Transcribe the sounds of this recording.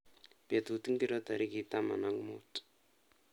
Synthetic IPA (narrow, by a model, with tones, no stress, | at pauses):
pe˨t̪u˨t̪i˦ŋki˦ɾɔt̪a˨ɾi˦ki˨t̪a˦ma̰˨na˦ŋɡmo̰t